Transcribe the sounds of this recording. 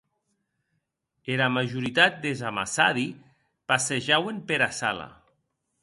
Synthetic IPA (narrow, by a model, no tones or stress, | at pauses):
elamaʒuɾit̪at̪̚d̪ezama̰sa̰ði | paseʒawempeɾasala̰